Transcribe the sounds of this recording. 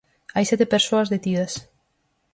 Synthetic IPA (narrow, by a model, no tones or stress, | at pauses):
ajsɛt̪epeɾsoɐzðet̪iðɐs